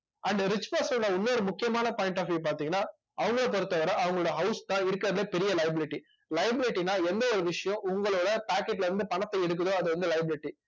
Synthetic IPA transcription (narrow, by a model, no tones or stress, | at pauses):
ɐɳɖɾɪt͡ʃːpaːsɐɽɐʊnːoːɾɯmʊkːɪjɐmaːnɐpoːjɪɳʈaːfip̬aːɾt̪iːŋɡɐnːaː | ɐʋɐŋɡɐɭpɔɾɯt̪ːɐʋɐɾɐ̃ʔɐʋɐŋɡɐɭoːɽjɐɦɐʊst̪ãːɪɾɯkːɾɐðɐlɐpɛɾɪjɐlɐjɐbɪlɪʈːi | lɐɪɐbɪlɪʈːinːaːɛnd̪ɐɔɾɯʋɪʂɐjɔ̃ʔʊŋɡɐɭoːɽɐpaːkɛʈːlɐɾɯnd̪ɯpɐɳɐt̪ːɐɛɽɯk̬ːɐðoːɐðɯʋɐnd̪ɯlɐjɐbɪlɪʈːi